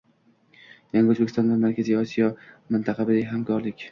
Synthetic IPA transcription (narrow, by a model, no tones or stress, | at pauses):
jaŋɡʲaɵzbekʲɪst̪ɒnd̪amaɾkʲʰaziɒsijɒmɪnt̪ʰaqʰɑbɪd̪aɡʲɦamkʰɒɾlɪkʲ